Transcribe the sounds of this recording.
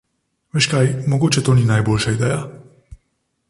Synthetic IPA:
ʋeːʃkajmɔɡoːt͡ʃɛt̪oːniːnajboːlʃaid̪ɛːja

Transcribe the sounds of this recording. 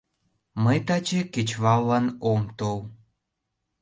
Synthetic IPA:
məjt̪ɑt͡ɕeket͡ɕβɑlːɑnomt̪ow

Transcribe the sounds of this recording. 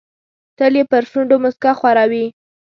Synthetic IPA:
t̪əljepəɾʃuɳɖomʊskaxwaɾɑwi

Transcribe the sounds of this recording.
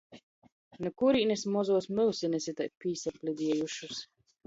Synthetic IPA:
nukuɾiːnɛsmɔzuːsmɨlˠsinɛsit̪ajpiːsaplʲid̪ʲiɛjuʃus

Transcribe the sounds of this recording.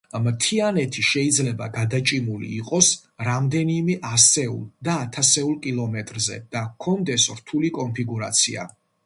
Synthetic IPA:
mt̪ʰianɛt̪ʰiʃɛid̪zlɛba̰ɡad̪at͡ʃʼimulḭːqʼɔs | ɾamd̪ɛnimɛʔasɛṵlˠd̪aːt̪ʰasɛulˠkʼilˠɔmɛt̪ʼɾzɛ̰d̪̥akʰɔnd̪ɛsɾt̪ʰulikʼɔnpʰiɡuɾa̰t̪sʰia̰

